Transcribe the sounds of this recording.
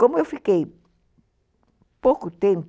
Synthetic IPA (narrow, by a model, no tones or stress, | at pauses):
kõmʊewfikej | powkʊt̪ẽmp